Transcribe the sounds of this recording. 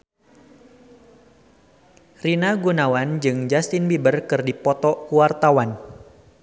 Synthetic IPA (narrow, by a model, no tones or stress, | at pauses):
rinaɡunawand͡ʒɨŋd͡ʒast̪ɪnbibərkɨrdipɔt̪ɔkuwart̪awan